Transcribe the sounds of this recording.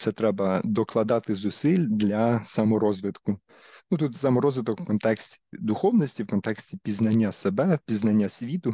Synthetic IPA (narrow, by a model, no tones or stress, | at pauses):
t̪sɛt̪ɾɛbɐd̪ɔklˠɐd̪ɑt̪ɪzʊsilʲd̪lʲɐsɐmɔɾɔzʋɪt̪kʊ | nut̪ut̪sɐmɔɾɔzʋɪt̪ɔkwkɔnt̪ɛksʲtʲi̥d̪ʊxɔwnɔsʲtʲiwkɔnt̪ɛksʲtʲipʲiznɐnʲːasebɛpʲiznɐnʲːasʲʋʲit̪ʊ